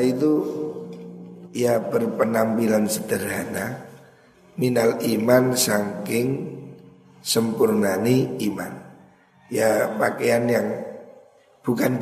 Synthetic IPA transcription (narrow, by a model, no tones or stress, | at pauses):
it̪u | jabərpənampilansəd̪̥əɾana | minalimansaŋkɪŋ | səmpurnaniiman | japakejanjaŋ | b̥ukan